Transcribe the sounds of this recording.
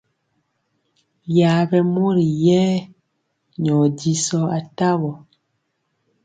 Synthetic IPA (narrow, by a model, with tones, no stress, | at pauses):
ja˨˦βɛ˨mo˦ɾi˨jɛː˦ | ɲɔ˨di˦sɔ˦a˨ta˦βɔ˨